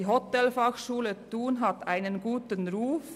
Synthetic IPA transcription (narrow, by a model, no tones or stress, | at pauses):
ɦɔt̪ɛlfɑxʃuːlət̪uːnɦɑt̪ʰæɪnənɡuːt̪ənɾuːf